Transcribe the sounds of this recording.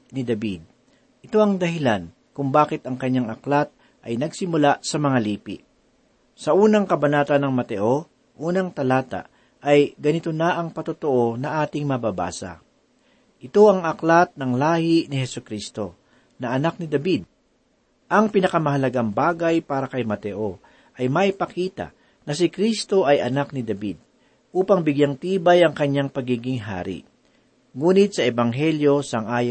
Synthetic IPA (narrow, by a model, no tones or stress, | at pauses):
nɪd̪ɐbid̪̚ | ʔɪt̪o̞ɐŋd̪ɐɦɪlan | kʊŋbaːkɪt̪ɐŋkɐɲːaŋʔɐklat̪̚ | ʔɐjnɐɡsɪmʊlasɐmɐŋaliːpɪ̰ʔ | sɐʔuːnɐŋkɐbɐnaːt̪ɐnɐŋmɐt̪ɛʔo | ʔuːnɐŋt̪ɐlaːt̪a̰ | ɐjɡɐnɪt̪o̞naʔɐŋpɐt̪ʊt̪oʔo̞nɐʔaːt̪ɪŋmɐbaba̰ːsɐ̰ | ʔɪt̪o̞ʔɐŋɐklat̪̚nɐŋlaːhɪnɪhɛsʊkɾist̪o̞ | nɐʔɐnak̚nɪd̪ɐbid̪̚ | ʔɐŋpɪnɐkɐmɐɦɐlɐɡaŋbaːɡɐjpaːɾɐkɐjmɐt̪ɛʔo | ʔɐjmaʔɪpɐkiːt̪a̰ | nɐsɪkɾist̪o̞ʔɐjʔɐ̰nak̚nɪd̪ɐbid̪̚ | ʔuːpɐŋbɪɡjaŋt̪iːbajɐŋkɐɲːaŋpɐɡiːɡɪŋɦa̰ːɾɪ̰ | ŋuːnɪt̪̚sɐʔɛbɐŋɦɛljo̞sɐŋʔaːj